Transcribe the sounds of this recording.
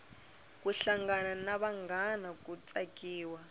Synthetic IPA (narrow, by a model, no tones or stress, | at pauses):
k̬ʼuɬaŋɡananaβaŋɡanakʼut͡sʼakiːwa